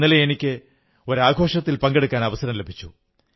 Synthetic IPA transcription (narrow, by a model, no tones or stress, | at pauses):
nːɐleenikʲːɨ | o̞ɾaːɡʱo̞ːʂɐt̪ːilpɐŋɡe̞ɽukːaːnɐʋɐsɐɾɐmlebʱit͡ɕːu